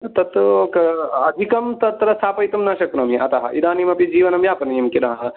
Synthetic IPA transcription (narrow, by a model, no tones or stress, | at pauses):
t̪ɐt̪ːkɐɐd̪ʱikɐmt̪ɐt̪ɾɐst̪ʰaːpɐjt̪ɐmnaːʃɐkɾɐmiʔɐt̪ɐɦɐ̰ʔid̪aːnimɐpid͡ʒiːʋɐnɐmjaːpɐnɐjɐmkilɐɦɐ